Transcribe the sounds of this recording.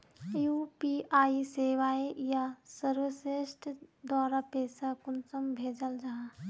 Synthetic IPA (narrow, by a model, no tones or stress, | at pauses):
jupiaːiseːʋaejasəɾʋəsesʈd̪waːɾapeːsakʊnsəmbʱeːd͡ʒəld͡ʒaɦa